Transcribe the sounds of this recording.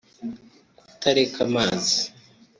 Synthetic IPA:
utaɾekʰamaːzi̥

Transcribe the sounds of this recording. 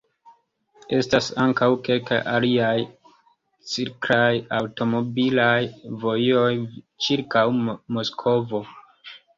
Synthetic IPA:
e̞stasaŋkawke̞lkajʔa̰liaj | t͡siɾkɾajawto̞mo̞bilajvo̞jo̞j | t͡ʃiɾkawmo̞skʰo̞vo̞

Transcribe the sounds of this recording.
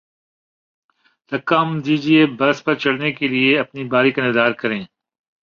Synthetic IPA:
t̪ɐkːamd̪iːd͡ʒiebɐɾspɐɾt͡ʃɐɽnekelieɐpnibaːɾikɐned̪aːɾkɐɾẽː

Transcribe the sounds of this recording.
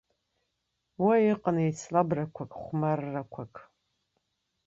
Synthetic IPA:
wɐjɪqənejt͡sʰlabrɐkʷʰakʼχʷmɐrːɐkʷʰakʰ

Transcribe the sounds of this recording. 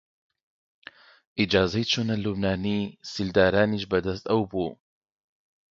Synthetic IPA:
ʔid͡ʒaːzɐjt͡ʃʰunɐlubnaːniːsild̪aːɾaːniʃbɐd̪ɐs̬t̪ɐwbuː

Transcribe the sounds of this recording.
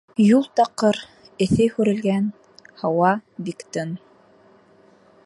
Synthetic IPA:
julˠt̪ɑqːɤɾ | ɘ̆θɘhʉɾɘ̆lɡæn | hɑwɑbikt̪ɤn

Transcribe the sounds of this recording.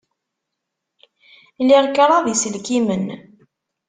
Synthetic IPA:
liʁkːəɾˤɑðisəlkimən

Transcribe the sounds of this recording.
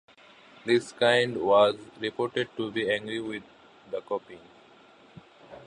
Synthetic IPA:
d̪ɪskãɪ̃ɳɖʋɔːzɾipoːɾʈeɖ̚ʈubiæ̃ŋɡɾiʋɪd̪̚ː | əkoːpĩn

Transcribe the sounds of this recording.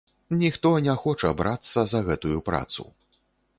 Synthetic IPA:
nʲixt̪ɔnʲɛxɔt͡ʂɐbɾat̪sːɐzɐɣɛt̪ujupɾa̰t̪sṵ

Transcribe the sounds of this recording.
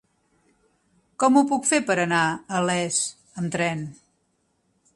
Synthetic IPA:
kɔmupukfepəɾənaəlɛs | əmt̪ɾɛn

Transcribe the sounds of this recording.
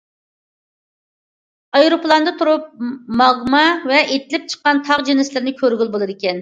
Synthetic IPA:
ɑjɾoplˠɑnd̪ɨt̪ʰuɾup̚mɑʁmɑvɛʔet̪ʰɪlɪp̚t͡ʃʰə̥qːɑnt̪ʰɑʁd͡ʒinɪslɪɾɪnɪkʲʰøɾɡʲylˠbolˠɨd̪ɪkʲɛn

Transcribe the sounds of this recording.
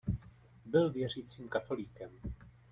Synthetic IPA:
bɪlvjɛr̝iːt͡siːmkat̪o̞liːkɛm

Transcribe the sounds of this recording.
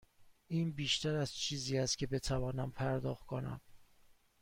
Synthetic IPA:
ʔiːnbiːʃt̪ʰæɾæz̥t͡ʃʰiːziːæst̪̚cʰʲe̞be̞t̪ʰævɒːnæmpʰæɾd̪ɒːxt̪̚kʰonæ̰m

